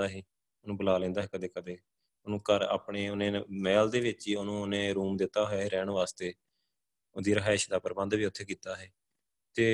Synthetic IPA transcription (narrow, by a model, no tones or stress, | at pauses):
aːɦiː | onũːbəlaːlẽːnd̪aːɦɛːkəd̪eːkəd̪eː | onũːkəɾa̰ːpɳeːʊnẽːmɛːld̪eːʋɪt͡ʃiːonũːʊnẽːɾuːmd̪ɪt̪ːaːɦojaːɦeːɾɛːɳʋaːst̪eː | od̪iːɾəɦaːɪʃd̪aːpəɾəbə̃nd̪ʋiːʊt̪ʰːeːkiːt̪aːɦɛː | t̪eː